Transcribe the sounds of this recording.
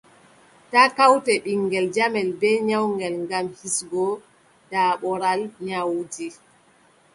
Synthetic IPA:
takawtɛɓiŋɡɛld͡ʒamɛlbɛɲawŋɡɛlŋɡamhisɡɔ | d̥aːɓɔɾalɲawdi

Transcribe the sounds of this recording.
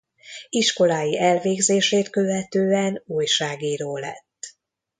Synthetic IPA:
iʃko̞laːjiʔɛlveːɡzeːʃeːt̪kø̞vɛt̪øːɛnuːjʃaːɡiːɾoːlɛ̰t̪ː

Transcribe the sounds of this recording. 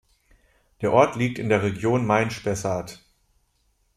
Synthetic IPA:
d̥eːɐʔɔɐtʰliːk̚tɪndeːɐʁ̞eɡjoːnmaɪnʃpɛsaːt

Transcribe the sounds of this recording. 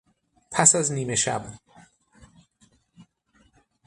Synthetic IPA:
pʰæsæzniːmeʃæ̰b

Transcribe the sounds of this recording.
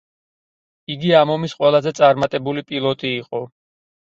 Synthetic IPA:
iɡiamɔmisqʼwɛlˠazɛt̪sʼaɾmat̪ʼɛbulipʼilˠɔt̪ʼiːqʼɔ

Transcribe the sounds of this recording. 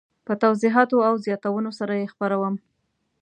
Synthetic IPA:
pət̪awzɪɦɑt̪oawzjɑt̪awənosaɾajexpaɾawəm

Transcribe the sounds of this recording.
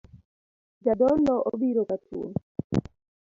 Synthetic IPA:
d͡ʒadɔlːɔʔobiɾokatṵn

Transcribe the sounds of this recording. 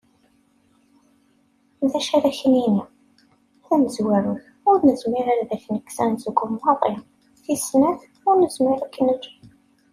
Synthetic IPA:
ðæʃæɾæçənini | θænəzwæɾʊθ | ʊɾnəzmɪɾaɾðæçnəkːsænzəɡʊmːɑðˤɪ | θisnæθ | ʊɾnəzmɪɾækːənəd͡ʒ

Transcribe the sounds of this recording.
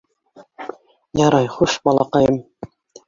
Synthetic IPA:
jɑɾɑjχuʃbɑlˠɑqɑjɤm

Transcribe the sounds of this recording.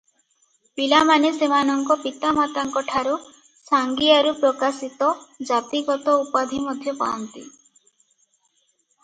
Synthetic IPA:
pilamanesemanɔŋkɔpit̪amat̪aŋkɔʈʰaɾu | saŋɡiaɾupɾɔkasit̪ɔd͡ʒat̪iɡɔt̪ɔupad̪ʱimɔd̪ʱjɔpa̰ɔnt̪ḭ

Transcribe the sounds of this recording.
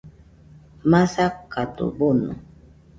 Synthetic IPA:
masakːat̪ʊ̰bonʊ̰

